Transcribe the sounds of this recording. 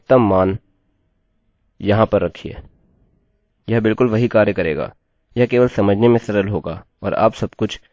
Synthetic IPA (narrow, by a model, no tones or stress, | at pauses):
t̪ɐmːaːn | jɐɦãpɐɾːɐkʰiɛ̰ː | jɐɦbɪlkʊlʋɐɦikaːɾjəkɐɾḛːɡa̰ː | jɐɦkeːʋəlsɐməd͡ʒʱnemẽsɐɾəlɦoːɡa̰ː | ɔːɾa̰ːpsɐbkʊt͡ʃʰ